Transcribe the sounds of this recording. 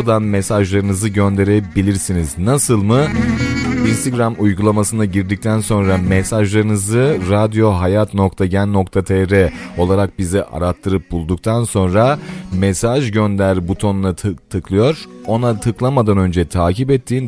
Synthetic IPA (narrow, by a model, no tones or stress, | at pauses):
d̪anmesaʒlˠaɾɯnɯzɯɟø̞nd̪e̞ɾebilʲiɾsiniznasɯlˠmɯ | inst̪eɡɾamujɡulˠamasɯnaɟiɾd̪ic̚t̪ʰænso̞nɾamɛsaʒlˠaɾɯnɯzɯɾad̪jo̞ɦajat̪no̞kt̪ʰaɟænːo̞kt̪ʰat̪ʰeɾɛo̞lˠaɾak̚biziʔa̰ɾat̪ʰːɯɾɯp̚bulˠd̪uk̚t̪ʰanso̞nɾamesaʒɟø̞nd̪æɾbut̪ʰo̞nunat̪ʰɯklˠɯjo̞ɾ̥o̞nat̪ʰɯklˠamad̪anø̞nd͡ʒɛt̪ʰaːcipɛt̪ʰːiːn